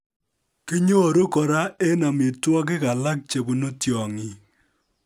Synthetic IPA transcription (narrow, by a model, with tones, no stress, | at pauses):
ki˦ɲo˦˨ɾo˦kɔ˨ɾa˦e˦na˨mi˨twɔ˦k̬ɪ˦ka˨la˦k̚t͡ʃe˨bu˨no˦tjɔ˨ŋi˨